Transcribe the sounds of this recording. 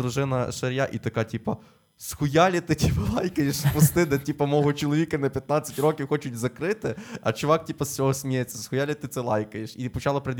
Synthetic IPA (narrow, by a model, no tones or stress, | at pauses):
ɾʊʒɪnɐʃɐɾʲjaʔit̪ɐkɑtʲipɐ | sxʊjalʲɐt̪ɪtʲʰipɐlˠɑjkɐjeʃspʊst̪ɪd̪ɛtʲipɐmɔɦɔt͡ʃɔlˠɔʋʲikɐnɐpʲjɐt̪̚nat͡sʲːɐtʲrɔkʲiwxɔt͡ʃʊtʲzɐkɾɪt̪ɪɐt͡ʃʊʋɑk̚tʲipɐst͡sʲɔɦɔsʲmʲijet͡sʲːɐsxʊjalʲɪt̪ɪt̪sɛlˠɑjkɐjeʃipɔt͡ʃɑlˠɐpɾed̪ʲ